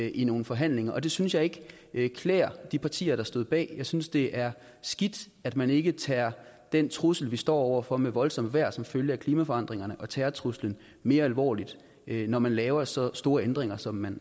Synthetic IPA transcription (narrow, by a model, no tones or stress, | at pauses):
ʔino̝ːn̩fɒ̽ɦæn̰le̝ŋɐʔɒ̽d̥e̝synsjɑ̈ɪe̝ɡ̥ | kʰlɛːɐd̥ipʰɑ̈t͡sʰḭːɐɾ̥ɑ̈sd̥o̝ð̰ˠb̥ɛ̰ːjɑ̈ɪsynsd̥e̝ʔæɐ | sɡ̥id̥ | æd̥mæne̝ɡ̥ət͡sʰɛːɐd̥ent͡sʰʁusl̩ʋisd̥ɒ̰ːɒʊɐfɒ̽meʋɒ̽lsɒ̽m̰ʋæɐ̰sɒ̽mføljəækʰliːmæfɒ̽ɑ̈n̰d̥ʁeŋɐnəʔɒ̽t͡sʰɛːɐt͡sʰʁuslən̩ | me̝ːɐælʋɒ̰ːlid̥ | nɒmænlɛːʊɐsɒ̽sd̥o̝ːɐend̥ʁeŋɐsɒ̽mːæn